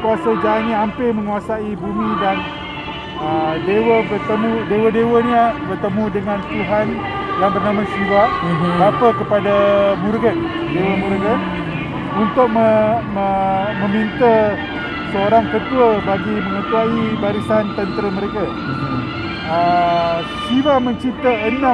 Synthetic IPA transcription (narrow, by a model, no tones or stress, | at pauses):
kuasəd͡ʒaanɲaampɪməŋuasaibumĩdan | ədewəbərt̪əmũdewədewəniabərt̪əmũdəŋãnt̪uɦan | danbərnamãsiɾaʔapəkəpadamurɡət̪̚ | dewəmuɾɡət̪̚ | unt̪ʊk̚məməmə̃mint̪ə | səoɾaŋkət̪uəbaɡiməŋət̪uaibaɾisant̪ənt̪ɾəməɾeka | ə | sibaməɲt͡ʃipt̪əənã